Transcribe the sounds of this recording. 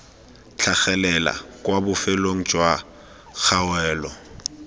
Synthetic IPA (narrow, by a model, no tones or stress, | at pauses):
t͡ɬʰaχɛlɛla̰kʼwabʊfɛloŋ̩t͡ʃʼwa | k͡xʰawɛːlɔ